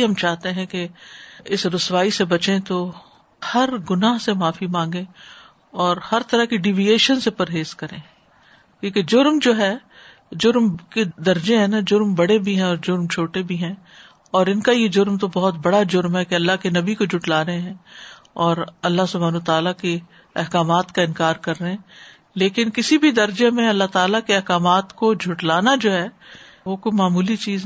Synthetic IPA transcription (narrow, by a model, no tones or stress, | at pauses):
ɦɐmt͡ʃaːɦt̪eɦɛ̃keɪsɾʊswaːisebɐt͡ʃẽt̪o | hɐɾɡʊnaːɦsemãːfimãːŋɡẽ | ɔːɾhɐɾt̪ɐɾaɦkiɖiːʋijeːʃənsepɐɾɦeːz̥kɐɾḛ̃ː | kjũːked͡ʒʊɾmd͡ʒoːɦɛ | d͡ʒʊɾmked̪ɐɾd͡ʒẽɦɛ̃nad͡ʒʊɾmbɐɽebʱiɦɛ̃ɔːɾd͡ʒʊɾmt͡ʃʰoːʈebʱiɦɛ̃ | ɔːɾɪnkajed͡ʒʊɾmt̪obɔɦʊt̪bɐɽad͡ʒʊɾmɦɛkeɐlːaɦkenɐbikod͡ʒʱʊʈlaːɾɐɦẽɦɛ̃ː | ɔːɾɐlːaɦsʊbʱaːnt̪aːlake | ɛɦkaːmaːt̪kaɪ̃nkaːɾkɐɾːɐɦẽ | leːkɪnkɪsibʱid̪ɐɾd͡ʒemẽɐlːaɦt̪aːlakeɛɦkaːmaːt̪kod͡ʒʱʊʈlaːnad͡ʒoːɦɛː | ʋokoimaːmuːlit͡ʃiːz